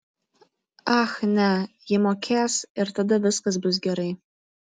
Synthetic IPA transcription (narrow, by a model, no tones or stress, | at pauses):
axnajemokʲʰasirtʰadabɨsqʼəzbɨzɡʲaɾej